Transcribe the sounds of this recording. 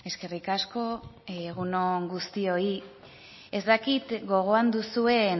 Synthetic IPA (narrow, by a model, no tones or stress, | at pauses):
e̞ske̞rikasko̞ɣuno̞ŋɡust̪io̞i | e̞zd̪akit̪ɡo̞ɣ̞o̞and̪usue̞n